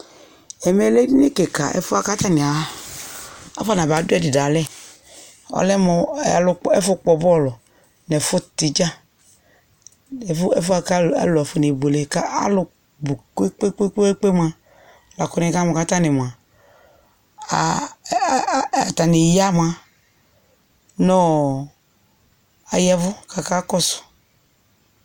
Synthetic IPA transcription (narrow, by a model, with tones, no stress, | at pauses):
ɛ˨mɛ˨le˦ne˦ke˨ka̰˨ʔɛ̰˨fʊ˦a˦ka˦t̪a˦ni˨a˨˦ | a̰˦fa˦nã˨ba˨˦du˦ɛ˦dɪ˨da˨lɛ˦˨ | ɔ̰˨lɛ˦mɔ˨lʊ˦ɛ˦fʊ˦k͡pɔ˨bɔ˦˨lɔ˨ | nɛ˨fʊ˦tɪ˨d͡ʒa˦ | ɛ˨˦ɛ˦fʊ˦a˨ka̰˦lɔ˨ɛ˨fʊ˦ne˨bo˨le˨ka˦a̰˦lʊ˨ | bu˨ke˦k͡pe˦k͡pe˦k͡pe˦k͡pe˦m˦a˨ | la˨kɔ˨˦nɛ˨˦ka˦mɔ˨ka˨˦ta˦nɪ˨m˨a˨ | ta˨nɪ˨ja˦m˨a˨ | nɔ˦ | a˨jɛ˦vʊ˦ka˨ka˦kɔ˦sʊ̥˨